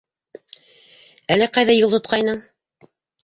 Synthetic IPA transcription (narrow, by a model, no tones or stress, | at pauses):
ælɘqɑjðæjɤlˠt̪ŏt̪̚qɑjnɤɴ